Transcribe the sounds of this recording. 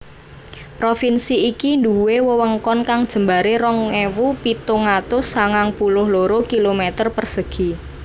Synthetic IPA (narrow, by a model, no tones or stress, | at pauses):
pɾofinsiikind̪uwewəwəŋkɔnkaŋd̥ʒ̥ə̤mbaɾeɾɔŋewupit̪oŋat̪ʊsaŋaŋpulʊhloɾokilomet̪ərpərsəɡ̥i̤